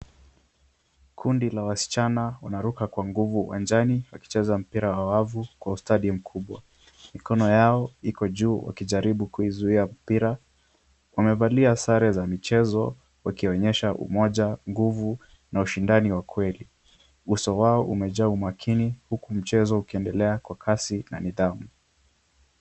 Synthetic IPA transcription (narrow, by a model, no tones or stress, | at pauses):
kʰundilawasi̥t͡ʃanawanaɾukakwaŋɡuvuwa̰nd͡ʒaniwaki̥t͡ʃɛzam̩piɾawawavukwaustaɗim̩kʰuɓwa | mikɔnɔjaɔikɔʄuːwa̰kiʄaɾiɓukuizuiam̩piɾa | wamɛvaliasaɾɛzamit͡ʃɛzɔ | wakiɔɲɛʃaʔṵmɔʄaŋɡuvu | nauʃindaniwakwɛli | usɔwaɔʔumɛʄaumakʰinihukum̩t͡ʃɛzɔukiɛndɛlɛakwakʰasina̰niðamu